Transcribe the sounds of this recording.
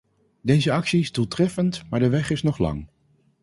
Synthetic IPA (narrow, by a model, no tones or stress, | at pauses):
dejzəɑksiɪzdulˠtrɛfəntmaːɹdəʋɛχɪsnɔχlɑ̰ŋ